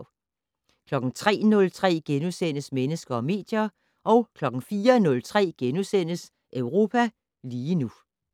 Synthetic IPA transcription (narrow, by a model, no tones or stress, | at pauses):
kʰlɒ̽ɡ̥n̩t͡sʰʁɛ̰ːnɔ̽lt͡sʰʁɛ̰ːɡ̥enusen̰əsmenəsɡ̥ɐɒ̽me̝̰ːd̥jɐ | ʔɒ̽ʊkʰlɒ̽ɡ̥n̩fiːɐnɔ̽lt͡sʰʁɛ̰ːɡ̥enusen̰əs | ʔœʊʁo̝ːpʰæ | liːnu